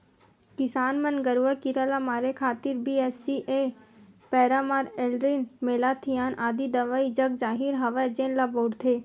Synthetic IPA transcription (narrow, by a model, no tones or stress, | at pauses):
kɪsaːnmənɡəɾʋakiɾalamaːɾekʰaːt̪ɪɾbiɛsiʔepɛːɾamaːɾeːlɾinmeːlaːt̪ʰijaːnʔaːd̪id̪ɐʋaid͡ʒɐɡd͡ʒaːɦiɾɦɐʋad͡ʒẽːnlaboːɽt̪ʰeː